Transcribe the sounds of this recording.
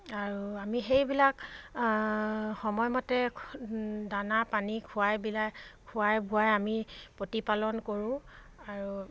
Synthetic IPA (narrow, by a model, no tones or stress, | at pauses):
aɹuamixejbilak | xɔmɔjmɔtɛ | danapanikʰʊajbilakʰʊajbuajamipotipalɔnkoɹũ | aɹu